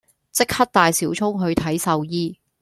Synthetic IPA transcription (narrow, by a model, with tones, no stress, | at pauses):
t͡sɪ˥k̚hɐ˥t̚t̪aː˨jsiː˨˥wt͡ʃʰʊ˥ŋɦɵ˨˧ɥt̪ʰɐ˨˥jsɐ˨˧wjiː˥